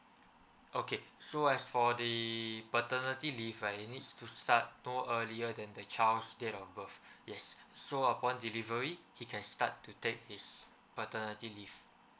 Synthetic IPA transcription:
ʔokesoɛsfɔdəpətənətilifanitstʰustat̚noəliədɛ̃ndət͡ʃalsdetɔfbəfjɛsːoəpɔ̃ndilivəɹihikʰɛ̃nsta̰tːutek̚his | pətənətilif

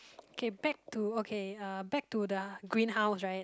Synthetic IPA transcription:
okʰebɛk̚tʰuokʰeʌbɛk̚tudəɡɹĩnɦaʊsɹaɪt̚

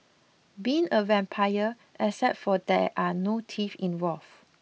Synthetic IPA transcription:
biĩŋəvɛ̃mpʰajə | ʔɛsɛtfɔdɛʔanotʰifĩnwɔlf

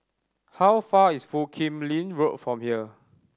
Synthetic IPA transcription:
hawfaisfukʰĩmlĩnɹotfɹɔ̃mhiə

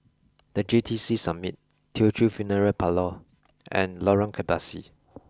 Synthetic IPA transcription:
d̥əd͡ʒitʰisisamit̚ | tʰiotʰɹufjunəɹəlpʰalɔ | ʔɛ̰̃nlɔɹə̃nkʰɛbasḭ

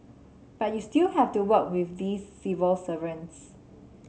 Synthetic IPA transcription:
b̥at̚justilhɛftuwək̚wifdisːivəlsəvə̃ns

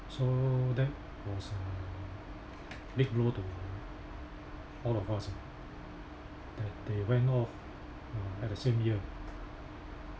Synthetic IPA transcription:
sodɛt̚ | wɔsə | bik̚blotu | ɔlɔfasi | d̥ɛt̚dewɛ̃ntɔf | aɛt̚dəsẽmjiə

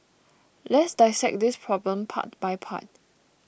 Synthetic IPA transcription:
lɛtsdaɪsɛk̚dispʰɹɔblə̃mpʰa̰t̚bajpʰa̰t̚

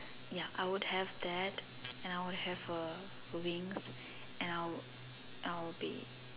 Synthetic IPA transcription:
jaʔaɪwʊdhɛvd̪ɛt | ɛ̃naɪwʊd̚hɛvə | wĩŋs | ʔɛ̃naɪ | abḭ

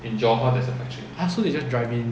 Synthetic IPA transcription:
ĩnd͡ʒɔɦadɛsəfɛk̚t͡ʃiasoded͡ʒasdɹaɪvĩn

